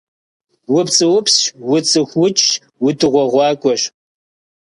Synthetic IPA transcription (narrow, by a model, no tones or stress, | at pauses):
wʊpt͡sʼɨwʊpswʊt͡sʼɨxʷʊt͡ʃʼ | wʊtʰɨʁʷɔʁʷɑːkʷʼɔɕ